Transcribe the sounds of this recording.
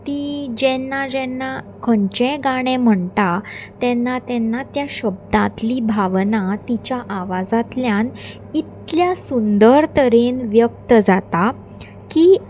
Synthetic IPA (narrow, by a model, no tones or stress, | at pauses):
t̪id͡ʑɛnːad͡ʑɛnːa | kʰəɳt͡ɕɛ̃ɡaɽ̃ẽm̤əɳt̪at̪ɛnːat̪ɛnːat̪jaɕəb̚d̪ãt̪libʱaʋnat̪it͡ɕjaʔaʋad͡zãt̪ljãn | it̪ljasund̪əɾt̪əɾenʋjəkt̪əd͡zat̪a | ki